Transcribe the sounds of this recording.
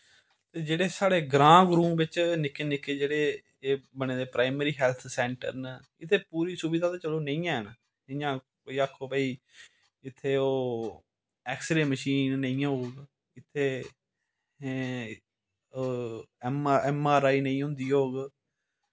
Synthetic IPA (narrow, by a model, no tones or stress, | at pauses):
t̪eːd͡ʒeːɽeːsaːɽeːɡɾãːɡɾũːmbɪt͡ʃnɪkːeːnɪkːeːd͡ʒeːɽeː | eːbəɳ̃eːd̪eːpɾaːɪməɾiːɦɛːlt̪ʰsɛːɳʈə̰ɾnə | ɪt̪ʰːeːpuːɾiːsubɪd̪aːt̪eːt͡ʃəloːnəĩːjãːɛna | jãː | koːiːakʰːoːpəiː | ɪt̪ʰːeːoː | ɛːksɪɖeːməʃiːnːə̃ĩːãːɦoːɡ | ɪt̪ʰːeː | mɛːmaːɾaːiːnə̃ĩːɦʊ̃nd̪iːɦoːɡ